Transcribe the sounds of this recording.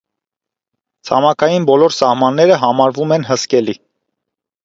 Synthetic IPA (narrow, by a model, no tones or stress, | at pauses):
t͡sʰɑmɑkʰɑjinbɔlɔɾsɑhmɑnːɛɾəɦɑmɑɾvumɛnɦəskɛli